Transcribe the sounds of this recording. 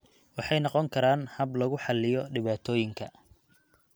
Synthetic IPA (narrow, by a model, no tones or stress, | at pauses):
wɑħɑjnɑqɔŋkʰɐɾaːnhɐblɐɣʊħɑlɪjɔɖɪβaːt̪ʰɔːjɪŋkʰɐ